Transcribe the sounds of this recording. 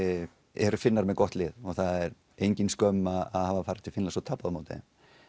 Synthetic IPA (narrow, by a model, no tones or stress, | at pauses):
ɛɾʏfɪnːaɾmɛðkɔht̪lɪːðɔɣθaðɛɾ | ejɲcɪnskœmːaðaðhaːvafaːɾɪ̥t̪ʰɪlfɪnlasɔt̪ʰapːaðmawt̪ɪ̰ɪ̰m